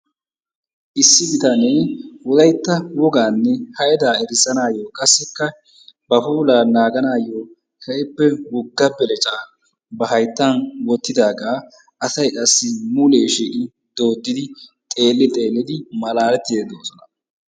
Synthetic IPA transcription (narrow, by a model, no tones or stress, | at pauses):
ʔɪsːɪbɪt̪ɐneːwɔd̪ɐjt̪ːɐwɔɡaːnːɛhɐʔɛd̪aːɛɾɪsɐnaːjoːkʼɐsːɛkːɐ | bɐfuːlaːnaːɡɐnaːjoː | hɛʔɪpːɛwʊɡːɐbɛlɛt͡ʃʼaː | bɐɦɐjt̪ːanwɔt̪ːɪd̪aːɡaː | ʔɐsɐjʔʼɐsːɪmule̞ːʃiːʔɪ | d̪̥o̞ːd̪ːɪd̪ɪt̪ʼe̞ːlːɪt̪ʼe̞ːlːɪd̪ɪmɐlaːlɛt̪ːɪd̪eːd̪oːsɔnɐ